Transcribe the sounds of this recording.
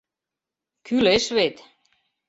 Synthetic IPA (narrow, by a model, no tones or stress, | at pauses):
kʰyleʃvet̪